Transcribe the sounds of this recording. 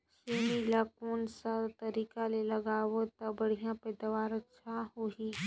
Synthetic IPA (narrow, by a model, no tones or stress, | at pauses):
ʃeːmilakoːnsat̪ɐɾiːkalelɐɡaːʋot̪ɐbɐɽ̤ijãpɛːd̪aːʋaːɾətʃʰaɦoiː